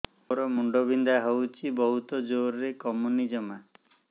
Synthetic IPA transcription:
oɾɔmuɳɖobʱind̪aɦowt͡ʃʰibɔɦut̪ɔd͡ʒoɾɾekɔmunid͡ʒɔma

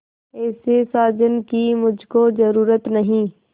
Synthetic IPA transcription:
ɛːsesaːd͡ʒənkimʊd͡ʒʱkozəɾuːɾət̪nɐɦĩː

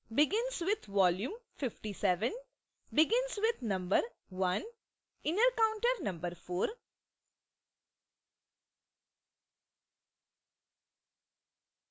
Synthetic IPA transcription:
bɪɡɪ̃nsʋɪd̪ʋɔːljũmfɪfʈisɛʋə̃n | bɪɡɪ̃nsʋɪd̪nʌ̃mbəɾ | ʋʌ̃n | ɪ̃ɳnəɾkãʊ̃ɳʈəɾnʌ̃mbəɾfoːɾ

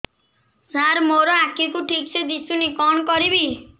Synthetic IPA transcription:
zaɾmoɾɔakikuʈʰik̚t͡ʃʰed̪it͡ʃʰunikɔnɔkɔɾibi

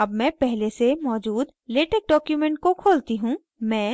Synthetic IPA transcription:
ɐbmɛ̃pɛɦlesemɔːd͡ʒuːd̪ | leːʈek̚ɖɔːkjumɛ̃ɳʈ̚kokʰoːlt̪iɦũ | mɛ̃ː

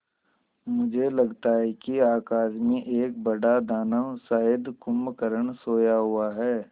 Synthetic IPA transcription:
mʊd͡ʒʱelɐɡt̪aɦɛkiaːkaːsmẽʔeːk̚bɐɽad̪aːnəsaːɪd̪kʊmkəɾəɳsoːjaɦʊaɦɛː

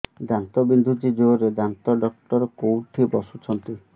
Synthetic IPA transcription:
d̪ant̪ɔbind̪ʱud͡ʒid͡ʒoɾed̪ant̪ɔɖɔk̚ʈɔɾɔkowʈʰibɔsut͡ʃʰɔnt̪i

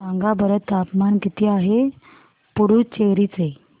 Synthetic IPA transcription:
ãŋɡabəɾət̪ːapmankit̪ʰiːaɦe | puɾuːt͡ɕeɾiːt͡se

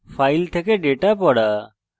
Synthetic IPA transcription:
pʰajlt̪ʰɛkɛɖeʈapɔɽa

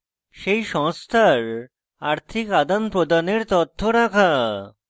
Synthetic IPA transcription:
ʃejʃɔŋst̪ʰaɾ | aɾt̪ʰikad̪anpɾod̪aneɾt̪ɔt̪ʰːoɾakʰa

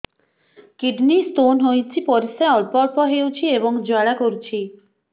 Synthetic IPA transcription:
kiɖnist̪onɦojt͡ʃʰipɔɾiseɔɭpɔɾpɔɦewt͡ʃʰiebɔŋd͡ʒoaɽakoɾut͡ʃʰi

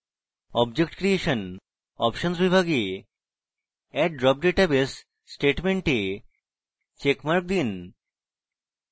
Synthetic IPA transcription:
ɔbd͡ʑek̚ʈkɾieʃən | ɔpʃənsbibʱaɡi | ɛʈɖɾɔp̚ɖeʈabes | sːʈeʈmeɳʈi | t͡ɕekmaɾk̚d̪in

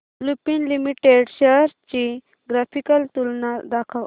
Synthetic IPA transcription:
lupinlimiʈeɖɕəɾt͡ɕi | ɡɾapʰikəlt̪ulnad̪akʰəʋ

